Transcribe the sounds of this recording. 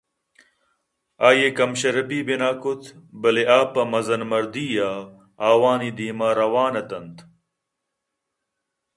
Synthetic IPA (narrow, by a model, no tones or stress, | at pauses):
aːjekɐmɕɐɾɐbiːbinaːkut̪ʰbɐleʔaːpɐmɐzɐnmɐɾd̪iːja | aːwaːnid̪iːmaːɾɐwaːnɐt̪ɐnt̪